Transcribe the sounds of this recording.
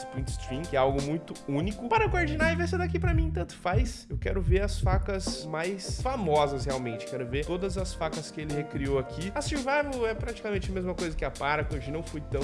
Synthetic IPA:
spĩt͡ʃ̪st̪ɾĩkɛawɡʊmũj̃t̪ʊũnikʊpaɾɐkoɾd͡ʒĩnaɪvejs̬ed̪akipɾɐmĩt̪ɐ̃nt̪ʊ̥fajs | ewkɛɾʊveɾɐsfakɐsmajsfamɔzɐsheawmẽnt͡ʃɪ̥kɛɾʊveɾt̪od̪ɐzɐsfakɐskɪelɪhekɾioakʰiasĩvamʊɛpɾat͡ʃi̥kamẽnt͡ʃɪɐmezmɐkojzɐkɪapaɾɐkõʒɐnɐ̃w̃fojt̪ɐ̃w̃

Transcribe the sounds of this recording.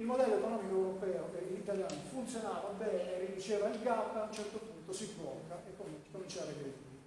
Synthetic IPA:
ilmod̪ɛlːokɔnɔmikoɛwɾɔpɛːokelinit̪aljaːnifunt̪sjonaːvabɛːnerːid̪ut͡ʃeːvailɡapːaaunt͡ʃɛrt̪opunt̪osizvɔkːaʔekːomkːomint͡ʃaːɾekɾed̪iːɾe

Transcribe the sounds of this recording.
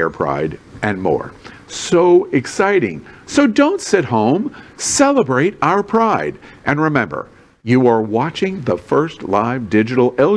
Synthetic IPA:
ɛɹpʰɹ̥a̰ɪɾɨ̃nmɔ̰ɹ | soʊɨksaɪɾɪ̰̃ŋsoʊdõʊ̃ntsɪt̚hõʊ̃msɛlˠəbɹeɪɾaʊə˞pʰɹ̥aɪɾʔɨ̃nɹɨmɛ̃mbə̰˞ | jɨə˞wɑt͡ʃɪ̃ŋðəfɜ˞stˡlaɪvdɪd͡ʒɨɾl̩ˠɛ

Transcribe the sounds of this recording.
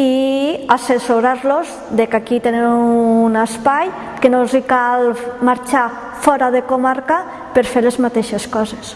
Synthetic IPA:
iasesoɾaɾloz | ðekakit̪enewunaspaj | kenozikalmaɾt͡ʃa | fɔɾaðekomaɾka | peɾfeɾlezmat̪eʃeskɔzes

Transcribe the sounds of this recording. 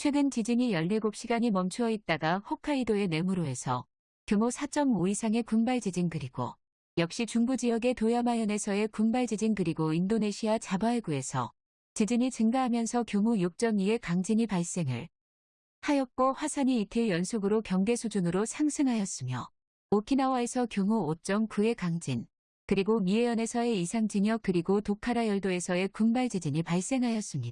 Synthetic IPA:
t͡ɕʰwe̞ɡɯnt͡ɕid͡ʑiɲijʌʎːiɡop̚ɕ͈ʰiɡaɲimʌmt͡ɕʰuʌit̚t͈aɡahokʰaidoe̞ne̞muɾoe̞sʰʌ̰ | kjomosʰat͡ɕ͈ʌmoisʰaŋe̞kumbaɭd͡ʑid͡ʑinɡɯɾiɡo̰ | jʌk̚ɕ͈it͡ɕuŋbud͡ʑijʌɡe̞tojamajʌne̞sʰʌe̞kumbaɭd͡ʑid͡ʑiŋɡɯɾiɡoindone̞ɕʰiat͡ɕabaeɡue̞sʰʌ̰ | t͡ɕid͡ʑiɲit͡ɕɯŋɡaɦamjʌnsʰʌkjomujok̚t͡ɕ͈ʌŋie̞kaŋd͡ʑiɲipaɭs͈e̞ŋɯ̰ɭ | hajʌk̚k͈oɸwasʰaɲiːtʰeɭjʌnsʰoɡɯɾokjʌŋɡe̞sʰud͡ʑunɯɾosʰaŋsʰɯŋɦajʌs͈ɯmjʌ̰ | okʰinawae̞sʰʌkjoŋuot͡ɕ͈ʌŋkue̞kaŋd͡ʑin | kɯɾiɡomie̞jʌne̞sʰʌe̞isʰaŋd͡ʑiɲʌk̚k͈ɯɾiɡotokʰaɾajʌɭdoe̞sʰʌe̞kuŋbaɭd͡ʑed͡ʑiɲipaɭs͈e̞ŋɦajʌs͈ɯmɲida

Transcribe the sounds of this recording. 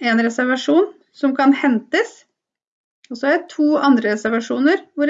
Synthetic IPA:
eːnɾɛsæɾʋɑʂuːn | sɔmkʰɑnhɛnt̪əs | ɔsɔæɾɛt̪ʰuːɑnd̪ɾəɾɛsæɾʋɑʂuːnəɾʋʊɾ

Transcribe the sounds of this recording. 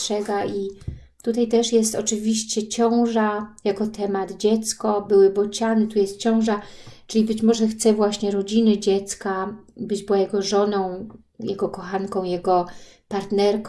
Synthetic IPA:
ʂɛɡaʔi | t̪ut̪ajt̪ɛʂjɛst̪ɔt͡ʂɘvʲiɕt͡ɕɛt͡ɕɔ̃w̃ʐajakɔt̪ʰɛmad̪d͡ʑɛt̪skɔbɘwɘbɔt͡ɕanɘt̪ujɛst̪̚t͡ɕɔ̃w̃ʐat͡ʂɘlʲibɘt͡ɕmɔʐɛxt̪sɛvwaɕɲɛɾɔd͡ʑinɘd͡ʑɛt̪skabɘd͡ʑbɘwajɛɡɔʐɔnɔ̃w̃ | jɛɡɔkɔxankɔ̃w̃jɛɡɔpaɾt̪nɛɾk

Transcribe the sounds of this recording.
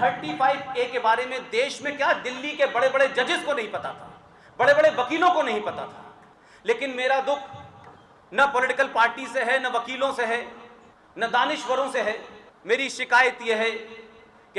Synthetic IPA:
t̪ʰɐɾʈifaːɪbkeːkebaːɾemẽd̪eːʃmẽkjaːd̪ɪlːikebɐɽebɐɽed͡ʒɐd͡ʒɪzkonɐɦĩpɐt̪a̰t̪ʰa̰ː | bɐɽebɐɽeʋɐkiːlõkonɐɦĩpɐt̪a̰t̪ʰḁː | leːkɪnmeːɾad̪ʊkʰ | nɐpɔlɪʈɪkəlpaːɾʈiseɦɛnɐʋɐkiːlõseɦɛ | nɐd̪aːnɪʃʋəɾõseɦɛmeːɾiʃɪkaːjət̪jeɦɛ | k

